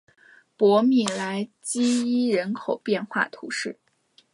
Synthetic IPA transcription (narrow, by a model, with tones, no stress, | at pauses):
pwɔ˧˥mi˨˩la˧˥ɪt͡ɕi˥i˥ɻə˧˥nkʰo˨˩ʊpjɛ˥˧nxwa̰˥˩t̪ʰu˧˥ʂɻ̩˥˩